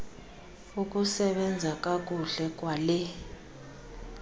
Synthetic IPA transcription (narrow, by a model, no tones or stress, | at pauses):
ukʼusɛɓɛnd͡zʱakʼak̬ʼuɮɛkʼwalɛ